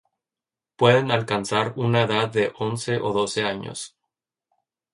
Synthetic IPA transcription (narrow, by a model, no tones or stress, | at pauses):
pwe̞ðe̞nalkansaɾunaeðaðːe̞ʔo̞nse̞ʔoðo̞se̞aɲo̰s